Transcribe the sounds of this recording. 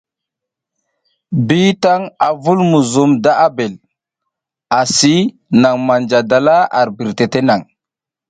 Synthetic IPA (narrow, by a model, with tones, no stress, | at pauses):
bi˦ta˦ŋa˨vu˦lmu˨zu˨mda˦ʔa˦be˨l | a˨si˦ | na˨ŋma˨nd͡ʒa˨da˨la˦a̰˨ɾbi˨ɾte˨te˦na˨ŋ